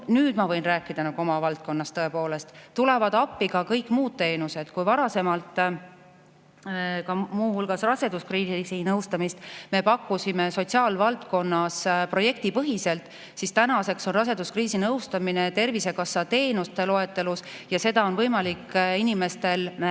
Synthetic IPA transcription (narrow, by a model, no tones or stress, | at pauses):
nyːd̪̥mɑvɤjnræːkːˑid̪̥ɑnɑɡ̥uo̞mɑvɑlt̪̚ko̞nːɑst̪ɤe̞po̞ːle̞st̪t̪ːule̞vɑd̪ɑpːiɡ̥ɑkɤjkːˑmuːd̪̥̚t̪e̞ːnuse̞d̪̥kujvɑɾɑse̞mɑlt̪ˑ | kɑmuːhulɡ̥ɑsrɑse̞d̪uskriːsinɤwst̪ɑmist̪me̞pɑkːˑusime̞so̞t̪siɑːlvɑlt̪ko̞nːɑspro̞je̞k̚t̪ipɤɦise̞lt̪ˑ | sist̪ænɑse̞kso̞nrɑse̞d̪̥uskriːsinɤwst̪ɑmine̞t̪e̞rvise̞kɑsːɑt̪e̞ːnust̪e̞lo̞e̞t̪ːˑe̞lusjɑse̞d̪̥ɑo̞nvɤjmɑlikːinime̞st̪e̞l